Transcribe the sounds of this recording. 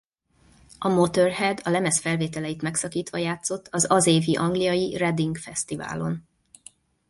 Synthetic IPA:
ʔɒmot̪ørhɛd̪ɒlɛmɛsfɛlveːt̪ɛlɛjit̪mɛksɒkiːt̪ʋɒjaːt̪so̞t̪ːɒzɒzeːviʔɒŋɡlijɒjirɛd̪iŋɡfɛst̪iva̰ːlo̞n

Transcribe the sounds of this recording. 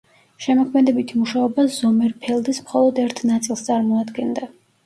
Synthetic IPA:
ʃɛmɔkʰmɛd̪ɛbit̪ʰimuʃaɔbaz̥ɔmɛɾpʰɛlˠd̪ismχɔlˠɔd̪ɛɾt̪ʰnat̪sʼilˠst̪sʼaɾmɔad̪ɡɛnd̪a

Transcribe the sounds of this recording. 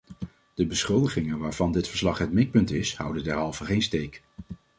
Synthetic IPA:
d̥əbəsχɵlˠdəχɪŋənʋaːɹvɑndɪtfəɹslɑχɦət̚mɪk̚pɵntɪshʌ̰wdəndɛɹɦɑlˠvəχejnstejk

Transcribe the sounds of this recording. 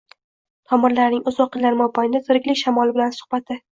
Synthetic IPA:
t̪ʰɒmɪɾlaɾnɪŋɵzwɒqːɪlaɾmɒbajɪd̪azʊɾɪkʲlɪkʲʃamɒlˠɪbɪlansʊ̥hbat̪ʰːɪ

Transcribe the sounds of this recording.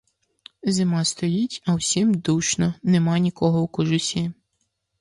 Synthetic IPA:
zɪmɑst̪ɔjitʲɐwsʲimd̪uʃnɔnemɑnʲikɔɦɔwkɔʒʊsʲi

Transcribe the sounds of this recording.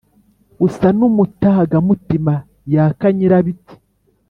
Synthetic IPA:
usanumutaɡamutima | jakaɲiɾaβiti̥

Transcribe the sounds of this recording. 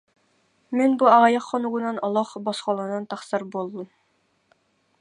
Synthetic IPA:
menbuɑʁɑjɑqːɔnuʁunɑnɑlˠɑχbɔsqɑlˠɑnɑnt̪ʰɑχsɑɾbolˠd̪um

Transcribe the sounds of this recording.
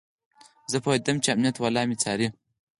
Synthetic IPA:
zəpʰowed̪ɐmt͡ʃiamnijɐt̪walɑːmit͡sʰaːɾi

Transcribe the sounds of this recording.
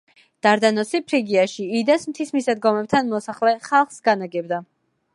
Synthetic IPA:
d̪̥aɾd̪anɔsipʰɾiɡiaʃiːd̪asmt̪ʰismisad̪ɡɔmɛp̚t̪ʰanmɔsaχlɛχalˠχsɡanaɡɛbd̪a

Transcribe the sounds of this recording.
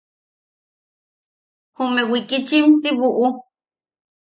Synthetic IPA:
humewikit͡ʃimsiβuʔu

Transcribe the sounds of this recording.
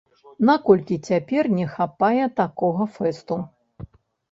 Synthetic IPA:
nakɔlʲkʲit͡sʲapʲɛrnʲɛxapajɛt̪akɔɣɐfɛst̪u

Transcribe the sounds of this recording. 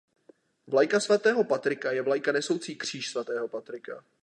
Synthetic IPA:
vlajkasvat̪ɛːɦo̞pat̪ɾɪkajɛvlajkanɛso̞wt͡siːkr̝̥iːʃsvat̪ɛːɦo̞pat̪ɾɪka

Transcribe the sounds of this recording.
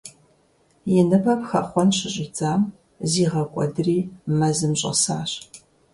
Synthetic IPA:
jɪnɨbɐpxɐχʷɔnɕɪɕʼɪd͡zaːm | ziːʁɐkʷʼɔ̰dɨriːmɐzɨmɕʼɐ̰saːɕ

